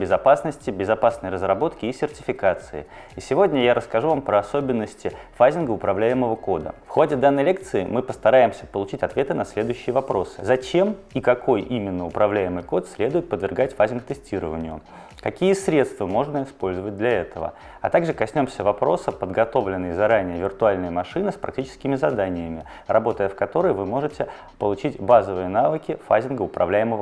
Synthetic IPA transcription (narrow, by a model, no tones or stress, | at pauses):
bʲɪzɐpasnəsʲtʲɪbʲɪzɐpasnəjɾəzrɐbo̞t̪kʲɪːsʲɪrtʲɪ̥fʲɪkat̪sɨɪ̰ | ɪsʲɪvo̞dʲnʲəjaɾəskɐʐuvampɾəɐso̞bʲɪnːəsʲtʲɪfazʲɪnɡəʊpɾɐvlʲæjɪməvəko̞d̪ə̰fxo̞dʲɪd̪anːəjlʲek̚t̪sɨɪmɨpəst̪ɐɾajɪmsʲə̥pəlˠʊt͡ɕitʲɐt̪vʲe̞t̪ɨnɐsʲlʲe̞d̪ʊjʏɕːɪjəvɐpɾo̞sɨ̥zɐt͡ɕem | ikɐko̞jʔimʲɪnːəʊpɾɐvlʲæjɪmɨjko̞t̪sʲlʲe̞d̪ʊjɪt̪̚pəd̪vʲɪrɡatʲfazʲɪnkt̪ɨsʲtʲiɾəvənʲɪjʊ | kɐkʲijəsʲɾʲe̞t̪st̪vəmo̞ʐnəɪspo̞lʲzəvət̚ʲd̪lʲɐɛt̪əvə̰ | ɐt̪aɡʐɨkɐsʲnʲo̞msʲəvɐpɾo̞sɨpəd̪ɡɐt̪o̞vlʲɪnːɨjəzɐɾanʲɪjəvʲɪrt̪ʊalʲnɨjəmɐʂɨnɨspɾɐ̰k̚tʲit͡ɕɪ̥skʲɪmʲɪzɐd̪anʲɪjəmʲɪ | rɐbo̞t̪əjəfkɐt̪o̞ɾəjvɨmo̞ʐɨtʲɪ | pəlˠʊt͡ɕitʲbazəvɨjənavɨkʲɪfazʲɪnɡəʊpɾɐ̰vlʲæjɪməvə